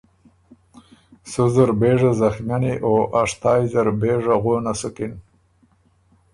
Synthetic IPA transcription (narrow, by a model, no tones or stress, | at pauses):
sʊzaɾbeʐazaxmjaneʔoʔaʂt̪ɑjzaɾbeʐaɣonasʊkɪn